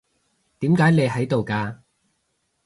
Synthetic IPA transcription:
t̪iː˨˥mkaː˨˥jne˨˧jɦɐ˨˥jt̪o˨wkaː˧

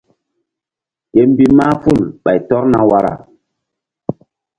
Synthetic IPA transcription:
ke˨m˦bi˦ma˦fu˦˨lɓa˨jtɔ˦ɾna˨wa˦ɾa̰˨

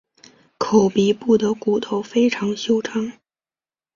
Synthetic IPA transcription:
kʰo˨˩ʊpi˧˥pu˥˩d̪ə˩ku˨˩t̪ʰo˧˥ʊfe˥ɪʈ͡ʂʰɑ˧˥ŋɕjo˥ʊʈ͡ʂʰɑ˥ŋ

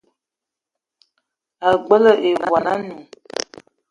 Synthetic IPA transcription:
a˨ɡ͡bə˦lə˦ʔe˨wa˨na˦nu˨

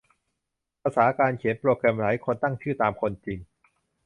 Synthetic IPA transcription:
pʰaː˧saː˩˦kaː˧nkʰi˨˩˦npɾoː˧kɾɛ˧mɾaː˩˦jkʰo˧nt̪a˥˩ŋt͡ɕʰɯː˥˩t̪aː˧mkʰo˧nt͡ɕi˧ŋ

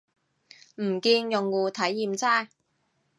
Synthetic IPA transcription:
m̩˨˩kiː˧njʊ˨ŋwuː˨˧t̪ʰɐ˨˥jːiː˨mt͡saː˥˩j

